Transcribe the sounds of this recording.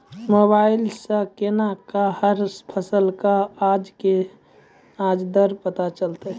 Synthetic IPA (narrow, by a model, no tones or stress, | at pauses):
mobailsə̃kenakahəɾpʰəsəlkaad͡ʒke | ad͡ʒd̪əɾpət̪at͡ʃəlt̪e